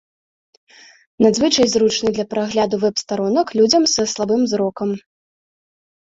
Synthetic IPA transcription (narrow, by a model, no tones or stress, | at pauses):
nad̪zvɨt͡ʂɐjzɾut͡ʂnɨd̪lʲɐpɾaɣlʲad̪uvɛpst̪aɾɔnɐklʲud͡zʲɐmsɐslˠabɨmzɾɔkɐm